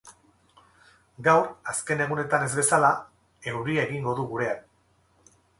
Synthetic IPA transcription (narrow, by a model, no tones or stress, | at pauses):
ɡawɾaske̞ne̞ɣ̞une̞t̪ane̞zβe̞sala | e̞wɾiaeɣiŋɡo̞ðuɣuɾe̞an